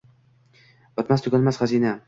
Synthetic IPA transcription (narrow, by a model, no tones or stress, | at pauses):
ot̪mast̪ʰʊɡʲanmasχazina